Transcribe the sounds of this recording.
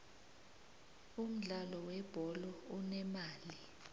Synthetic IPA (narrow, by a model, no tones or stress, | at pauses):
um̩ɮalɔwɛb̥ʱɔlɔɔnɛmaːli